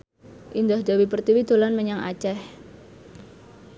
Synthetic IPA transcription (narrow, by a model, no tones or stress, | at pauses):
ʔind̪ahd̪̥awipərt̪iwid̪̥o̤lanməɲaŋʔa̰t͡ʃɛh